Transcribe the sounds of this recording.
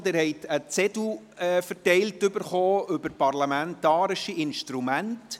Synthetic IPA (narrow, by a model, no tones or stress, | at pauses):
dɪɾhɛɪtʰət͡sɛdu | ɛfəɾtɛɪltʏbəɾχoːʏbəɾpɑrlamɛntɑːɾɪʃiɪnʃtɾumænt